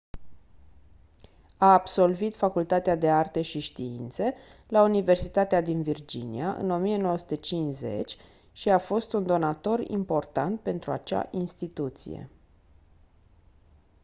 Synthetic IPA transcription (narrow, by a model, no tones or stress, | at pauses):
aːbso̞lvit̪fakult̪at̪ead̪e̞art̪e̞ʃiʃt̪iint̪se̞launive̞rsit̪at̪ead̪invird͡ʒḭnḭaʔɨ̰no̞mieno̞wəsu̥t̪et͡ʃinze̞̰t͡ʃʲ | ʃiafo̞st̪und̪o̞nat̪o̞rḭmpo̞rt̪ant̪̚pe̞nt̪ɾua̰t͡ʃa̰ʔinst̪it̪ut̪sḭe̞̰